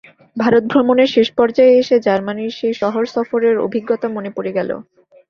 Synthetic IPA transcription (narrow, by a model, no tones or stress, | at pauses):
bʱaɾot̪̚bʱɾomoneɾʃeʃpɔɾd͡ʑaeeʃed͡ʑaɾmaniɾʃeʃɔɦoɾsɔfoɾeɾo̰bʱiɡːɔt̪amonepoɾeɡɛlo̰